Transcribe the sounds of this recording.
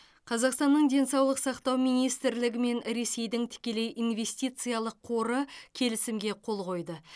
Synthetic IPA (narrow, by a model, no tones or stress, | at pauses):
qʰɑzɑqst̪ɑnːəɴd̪e̞nsɑwlˠəqsɑqt̪ɑwmijnijst̪ɪɾlɪɡʲɪme̞nɾe̞se̞jd̪ɪŋt̪ʰɪ̥kʲe̞le̞jʔinve̞st̪ijt̪sɨjalˠəqʰːo̞ɾəkʲʰe̞lɪsɪmɡʲe̞qʰo̞lˠqo̞jd̪ə